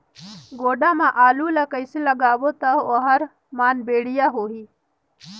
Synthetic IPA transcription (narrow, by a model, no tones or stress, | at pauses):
ɡoːɖaːmãʔaːluːlakɐiselɐɡaːwot̪aoɦɐɾ | maːnbeːɽijaɦoːɦiː